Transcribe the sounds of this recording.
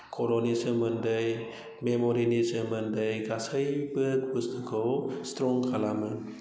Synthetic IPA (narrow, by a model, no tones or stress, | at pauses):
kʰolonisɯmɯndɯj | memoɾinisɯmɯndɯjɡasajbɯk̚bɯsnɯkʰɯwstɾɔŋkʰalamɯn